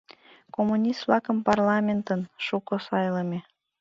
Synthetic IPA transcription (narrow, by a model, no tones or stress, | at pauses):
komunʲist̪vlɑkəmpɑrlɑmʲent̪ənʃukosɑjləme